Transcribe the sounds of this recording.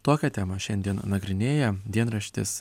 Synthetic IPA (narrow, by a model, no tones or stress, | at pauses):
t̪oːkʲɛt̪ʲæmɐʃʲɛnʲd̪ʲiɛnnɐɡɾʲɪnʲeːjɛd̪ʲiɛnɾɐʃʲt̪ʲɪ̰s